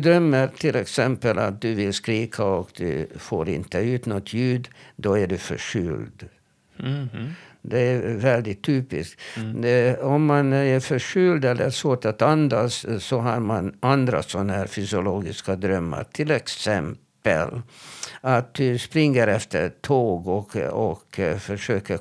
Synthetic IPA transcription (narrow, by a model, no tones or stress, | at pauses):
d̪ɾœmːəɾt̪ʰɪlɛksɛmpəla̰t̪̚d̪ɵvɪlskɾiːkʰaɔkd̪ʉ̰fo̰ːɾɪ̰nt̪əʉ̟ːt̪nɔt̪ʰːjʉːd̪d̪ɔæɖʉfœ̰ʂʏld̪ | d̪ɛæɾvɛld̪ɪt̪ʰːyːpɪsk | ɔmːanæɾfœʂʏld̪ɛlːəɾʂvoːʈat̪and̪asːɔɦɑɾmanand̪ɾa̰sɔnːahæːɾfʏsɪʊloːɡɪskad̪ɾœmːa̰ɾʈ̪ʰɪlɛksɛmpə̰l | at̪̚d̪ɵspɾɪŋːəɾɛft̪ʰəʈʰoːɡɔɔkfœʂøːkə